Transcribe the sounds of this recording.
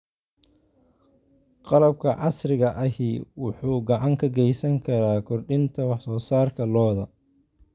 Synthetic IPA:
qɑlɐb̚kʰɐʕɑsrɪɣɐʔɐɦiːwʊħuːɡɑʕɑŋkʰɐɡɛjsɐŋkʰɐɾaːkʰɔrɖɪnt̪ʰɐwɑħsɔːsaːrkʰɐlɔːðɐ

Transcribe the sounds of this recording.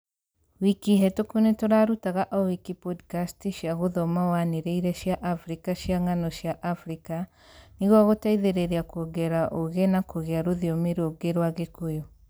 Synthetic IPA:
wikiɦɛtokunetoɾaɾutaɣaʔɔwikipɔdkastiʃjaɣoðɔmawaneɾeiɾɛʃjaʔafɾikaʃjaŋanɔɕjaʔafɾika | niɣwaɣotaiðeɾeɾeakɔɡɛɾaʔoɣenakoɣeaɾoðiomeɾoɡeɾwaɣekojɔ

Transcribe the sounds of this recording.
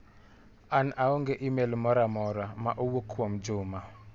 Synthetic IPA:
anaɔŋɡeʔimelmɔɾamɔɾamaʔowokʰːwɔmd͡ʒʊma

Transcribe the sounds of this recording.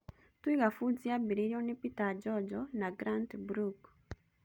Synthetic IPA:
twiɣafuziabiɾiɾiɔnipitad͡ʒɔd͡ʒɔnaɡɾantbɾuk

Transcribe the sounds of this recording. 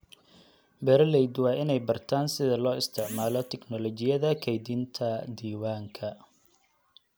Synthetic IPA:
bɛɾɐlɛjd̪wɑːɪnɛjbɐrt̪ʰaːnsɪðɐlɔːɪst̪ʰɪʕmaːlɔt̪ʰɛknɔlɔt͡ʃɪjɐðɐkʰɛjd̪int̪ʰɐd̪iːwaːŋkʰɐ

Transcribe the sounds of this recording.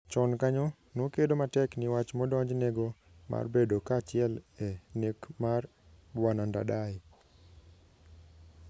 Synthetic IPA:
t͡ʃɔnkaɲo | nokedomatɛknɪwat͡ʃmɔdɔɲd͡ʒneɡo | ma̰rbedokat͡ʃɪɛlɛnekmar | bwananda̰daj

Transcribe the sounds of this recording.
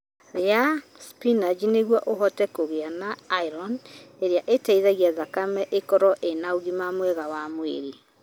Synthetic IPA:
ɾeaspinad͡ʒineɣwaʔoɦɔtɛkoɣeanaːiɾɔneɾeaʔetaiðɛɣiaðakamɛʔekɔɾɔʔenaoɣimamwɛɣawamwḛɾi

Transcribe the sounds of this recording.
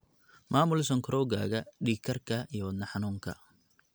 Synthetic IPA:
mʔaːmʊlsɔŋkʰɾɔːɣa̰ːɣɐɖiːkʰɐrkʰɐijɔwɐd̪nɐħɑnuːŋkʰɐ̰

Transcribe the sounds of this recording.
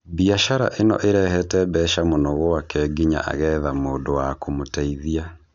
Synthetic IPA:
biaʃaɾa̰ʔenɔ̰ʔeɾɛhɛtɛbɛʃamonɔɣɔakɛɡiɲa̰ʔa̰ɣɛðamoːndowakomotɛiðia

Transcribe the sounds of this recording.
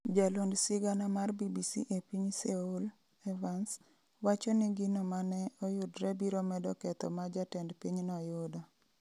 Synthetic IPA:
d͡ʒalondsɪɡanamarbibisḭʔepiɲseul | ɛvans | wat͡ʃɔnɪɡinomanɛɔjʊdɾɛbiɾomɛdɔkɛt̪ɔ̰mad͡ʒatɛndpiɲnɔjʊda

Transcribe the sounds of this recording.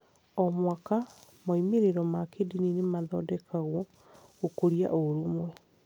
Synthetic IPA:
ɔmwaka | maimeɾeɾɔmakedininemaðɔdɛkaɣwɔ | ɣokoɾija̰ʔoɾumwɛ

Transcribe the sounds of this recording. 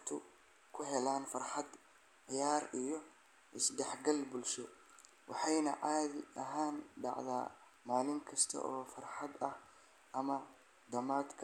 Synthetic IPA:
t̪ʰʊ | kʰʊɦɛlaːnfɐrħɑd̪ | ʕɪjaːrijɔ | ʔɪsd̪ɛħɡɐlbʊlʃɔ | wɑ̰ħɑjnɐ̰ʕaːðɪɐɦaːnɖɑ̰ʕða̰ː | maːlɪŋkʰɐst̪ʰɐ̰ʔɔːfɐrħɑd̪ɐh | ɐmɐ | d̪ɐmaːd̪kʰɐ

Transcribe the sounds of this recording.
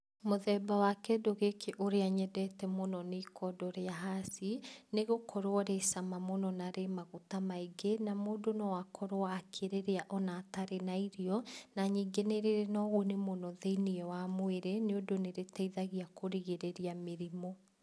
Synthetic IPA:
moðɛːbawakɛdoɣekʰeʔoɾeaɲɛdɛtɛmonɔnekʰɔdɔɾeaɦasineɣokʰɔɾwɔɾesamamonɔnaɾemaɣotamaiɡenamoːdonɔwakʰɔɾowaːkʰeɾeɾeaʔɔnataɾenaiɾiɔnaɲiːŋɡeneɾeɾenɔɣunemonɔðeiniɛwamweɾeneodoneɾetaiðaɣiakoɾiɣeɾeɾiameɾimɔ

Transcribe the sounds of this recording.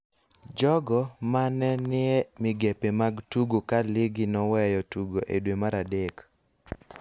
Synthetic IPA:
d͡ʒɔɡɔmanɛnɪɛmɪɡepemaɡtuɡokalɪɡɪnɔwɛjɔtuɡoʔedwemaɾadek

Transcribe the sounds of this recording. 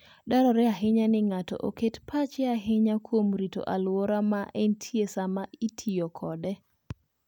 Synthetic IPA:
daɾɔɾɛaɦɪɲanɪŋatɔ̰ʔoketpʰat͡ʃɛaɦɪɲakwomɾito̰ʔalwoɾamaʔɛntʰjesamaitʰiɔkʰɔdɛ

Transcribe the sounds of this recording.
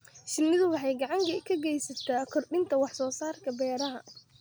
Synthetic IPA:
ʃɪlːɪðʊwɑħɑjɡɑʕɑŋkʰɐkʰɐɡɛjsɐt̪ʰaːkʰɔrɖɪnt̪ʰɐwɑħsɔːsaːrkʰɐbɛːɾɐɦɐ

